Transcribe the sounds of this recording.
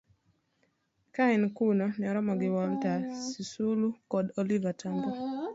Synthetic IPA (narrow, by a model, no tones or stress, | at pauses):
kainkunɔniɔɾɔmɔɡɪwaltasisulukɔdɔlivatʰambɔ